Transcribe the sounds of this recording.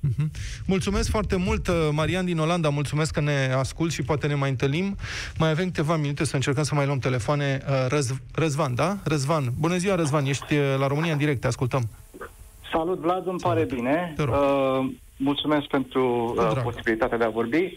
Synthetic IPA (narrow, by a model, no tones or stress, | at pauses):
m̩ɦ̩ | mult̪sume̞skfoart̪e̞mult̪maɾiand̪ino̞land̪amult̪sume̞skːəne̞askult̪ʃipoat̪e̞ne̞majɨnt̪ɨlnimːajave̞mkɨt̪e̞vaminut̪e̞səɨnt͡ʃe̞rkəmsəmajloəmt̪e̞le̞foane̞əəzrəzvand̪arəzvanbunəziwaɾəzvanje̞ʃt̪ʲlaɾo̞mɨniaɨnd̪iɾe̞k̚t̪askult̪əm | salut̪vlad̪ɨmpaɾebine̞eɾo | mult̪sumesk̚pe̞nt̪ɾuaposibilit̪at̪ead̪eavo̞rbi